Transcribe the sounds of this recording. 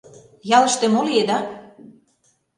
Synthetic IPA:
jɑlɤ̆ʃt̪ĕmolied̪ɑ

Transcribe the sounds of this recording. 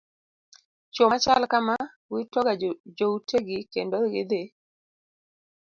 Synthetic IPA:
t͡ʃomat͡ʃalkama | wɪtɔɡad͡ʒoutʰeɡɪkendoɡɪd̪e

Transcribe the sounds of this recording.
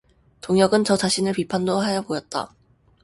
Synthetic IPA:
toŋjʌɡɯnt͡ɕʌt͡ɕaɕʰinɯɭpipʰandoɦajʌbojʌt̚t͈a̰

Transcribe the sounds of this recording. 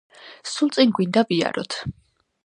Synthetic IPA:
sulˠt̪sʼiŋɡwind̪avia̰ɾɔt̪ʰ

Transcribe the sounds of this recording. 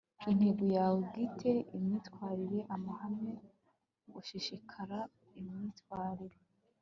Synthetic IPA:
in̥heɡujawuɡitʰe̞imŋiːtwaːɾiɾe̞ʔamahamŋe̞ | ɡuʃiʃikʰaɾa | imɲiːtwaːɾiɾe

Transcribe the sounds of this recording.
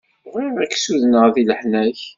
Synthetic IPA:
ʁiɾæksuðnəʁðiləħnæç

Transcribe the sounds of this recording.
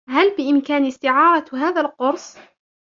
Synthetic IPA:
halbɪʔɪmkaːnɪst̪ɪʕɑːɾˤɑɦaːðalqʊɾsˤ

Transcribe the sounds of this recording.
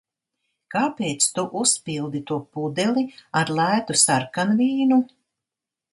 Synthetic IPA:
kaːpeːt̪st̪uʔuspilˠd̪it̪uɔpud̪ɛliaɾlˠæːt̪usaɾkanviːnu

